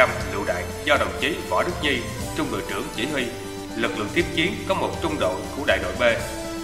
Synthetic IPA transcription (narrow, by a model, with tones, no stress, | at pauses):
a˧mlɨ̰˧˨wɗa̰ː˧˨jzɔ˧ɗə˨˩wŋ͡mt͡ɕi˨˦vɔ˧˩ɗk̚ɲi˧ | t͡ɕʊ˧ŋ͡mŋɨ̰˧˩əjt͡ɕɨ˧˩əŋt͡ɕi˧˩hwi˧ | lɨ˨˩k̚lɨ̰˧˨əŋt̪i˦˥p̚t͡ɕi˨˦ənkɔ˨˦mo˨˩t̚t͡ɕʊ˧ŋ͡mɗo̰˧˨ŋ͡mku˧˩əɗa̰ː˧˨jɗo̰˧˨jɓe˧